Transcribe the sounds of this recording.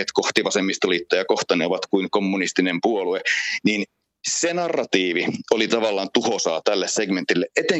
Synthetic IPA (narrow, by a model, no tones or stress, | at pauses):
et̪koht̪iʋɑsemːist̪ɑliːt̪ːojɑkoht̪ɑneoʋɑt̪kuiŋkomːunist̪inempuoluenin | senɑrːɑt̪iːʋiolit̪ɑʋɑlːɑːnt̪uhosɑːt̪ælːesseɡment̪ilːeʔet̪e